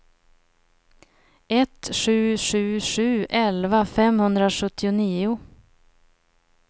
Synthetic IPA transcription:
ɛt̪ɧʉ̟ːʂʉ̟ːʂʉ̟ːɛlvafɛmhɵnd̪ɾaʂɵt̪ʰːɪʊniːʊ

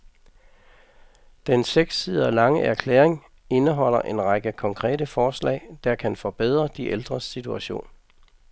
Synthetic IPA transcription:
d̥enseɡ̥siðˠɒlɑ̈ŋəʔæɐkʰlḛːʁeŋ | e̝nəɦɒ̽l̰ɐʔe̝nʁɑ̈ɡ̥əkʰɒ̽ŋkʰʁɛ̰ːdəfɒːslɛ̰ɪd̥ɑ̈kʰænfɒ̽b̥eð̰ˠʁɐd̥iʔeld̥ʁɐsit͡sʰuæɕo̝̰ːn

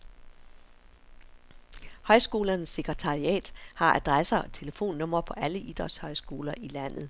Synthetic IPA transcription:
hɒ̽ɪsɡ̥o̝ːlɐnəsːe̝ɡ̥ʁɛt͡sʰɑ̈ʁiɛ̰ːd̥hɑ̈ʔæd̥ʁasɐɒt͡sʰe̝ləfo̝̰ːnːɔ̽m̰ɐpʰɒ̽ʔæləʔid̥ɒshɒ̽ɪsɡ̥o̝ːlɐʔilæn̰ð̞̩ˠ

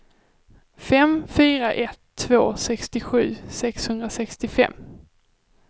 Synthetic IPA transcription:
fɛmfyːɾaʔɛt̪ʰːvoːsɛkst̪ɪɧʉ̟̰ːsɛkshɵnd̪ɾasɛkst̪ɪfɛ̰mː

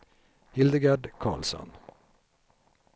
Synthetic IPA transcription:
hɪld̪əɡæːɖkʰɑ̰ːlsɔ̰n

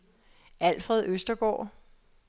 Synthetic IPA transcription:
ʔæl̰fʁɛðˠøsd̥ɐɡ̥ɒ̰ː

